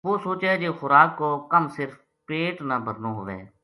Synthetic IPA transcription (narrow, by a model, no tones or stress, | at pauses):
ʋoːsoːt͡ʃɛːd͡ʒeːxʊɾaːkːoːkəmsɪɾf | peːʈnaːbʱəɾnoːɦoːʋɛ̰̃ː